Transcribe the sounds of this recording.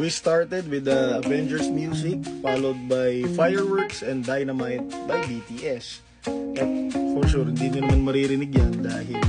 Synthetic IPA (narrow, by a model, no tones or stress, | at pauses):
wist̪aɹt̪ɛd̪̚wɪd̪ɐɐvɛnd͡ʒɛɹsmjusɪk̚faːlowd̪̚bajfajɛɹwɛɹksɛ̃nd̪d̪ːajnɐmajt̪̚bɐjbit̪iʔɛs | ʔɐt̪fɔɹʃuɾhɪnd̪iːnʊnɐmanmɐɾiɾɪnɪɡjand̪a̰ːhɪl